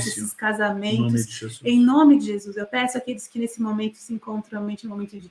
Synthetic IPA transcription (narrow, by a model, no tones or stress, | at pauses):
esɪskazamẽnt̪ʊsẽj̃nõmɪd͡ʒɪʒezusewpɛsʊakelɪskɪnesɪmomẽnt̪ʊ̥sɪĩŋkõnt̪ɾ̃ɐwmẽnt͡ʃɪ̃mõmẽnt̪ʊ̃d͡ʒɪ